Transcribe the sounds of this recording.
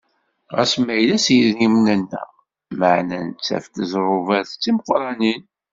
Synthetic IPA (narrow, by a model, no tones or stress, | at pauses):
ʁæ̰smæjlæsjəðimnənːæ̰ | məʕnænt͡sːæ̰ft̪əzɾˤʊvæθt͡sːiməqɾˤɑnin